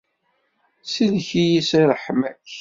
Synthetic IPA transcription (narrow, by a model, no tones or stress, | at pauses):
silçijisiɾˤəħmæç